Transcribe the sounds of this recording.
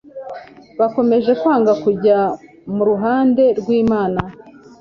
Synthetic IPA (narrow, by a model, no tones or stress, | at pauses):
βako̞me̞ʒe̞kwaːŋɡakuɟa | muɾuɦaːnde̞ɾɡwiːmaːna